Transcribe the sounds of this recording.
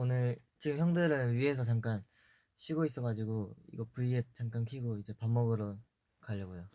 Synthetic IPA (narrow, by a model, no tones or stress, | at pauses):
onɯɭ | t͡ɕiɡɯmçjʌŋdeɾɯɭɥiɦe̞s̬ʰʌt͡ɕaŋk͈an | ɕʰiɡois͈ʌɡad͡ʑiɡoḭɡʌpuʎɡet͡ɕaŋk͈ankʰiɡoid͡ʑe̞pamːʌɡɯɾo | kaʎːʌɡojo